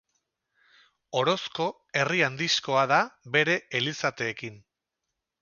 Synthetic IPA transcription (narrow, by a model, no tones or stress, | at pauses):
o̞ɾo̞sko̞ | e̞riand̪isko̞aðaβe̞ɾe̞elisat̪e̞ːkin